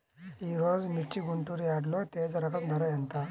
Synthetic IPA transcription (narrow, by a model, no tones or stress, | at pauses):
iɾod͡zmiʈːiɡunt̪uɾiaɽlot̪ed͡zɾəkəmd̪ʱəɾɔjent̪a